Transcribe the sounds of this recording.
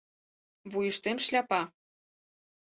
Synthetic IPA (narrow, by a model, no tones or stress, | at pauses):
βujə̆ʃt̪emʃlʲɑpɑ